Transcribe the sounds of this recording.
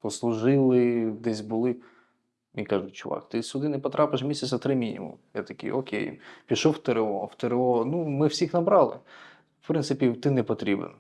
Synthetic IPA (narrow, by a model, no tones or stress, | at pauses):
pɔslˠʊʒɪlˠɪd̪ɛsʲbʊlˠɪ | mʲijkɑʒʊtʲt͡ʃʊʋɑ̰kt̪ɪsʲʊd̪ɪnɛpɔt̪ɾʔapɪʃ̬mʲisʲɐt͡ssʲɐt̪ɾɪmʲinʲḭmṵmjat̪ɐkʲɪ̰jokʲḛjpʲiʃɔwt̪eɾeɔwt̪eɾeɔnumɪwsʲixnɐbɾɑlˠɪ̰ | wpɾɪnsɪpʲit̪ɪnɛpɔt̪ɾʲibḛn